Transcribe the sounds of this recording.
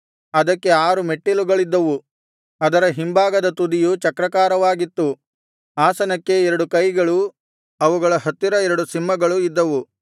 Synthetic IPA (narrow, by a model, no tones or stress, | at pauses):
ɐd̪ɐkːe̞aːɾume̞ʈːiluɡɐɭid̪ːɐʋu | ɐd̪ɐɾɐɦimbaːɡɐd̪ɐt̪ud̪ijut͡ʃɐkɾɐkaːɾɐʋaːɡit̪ːu | aːsɐnɐkːe̞ɛɾɐɽukɐjɡɐɭu | ɐʋuɡɐɭɐɦɐt̪ːiɾɐɛɾɐɽusimːɐɡɐɭuid̪ːɐʋu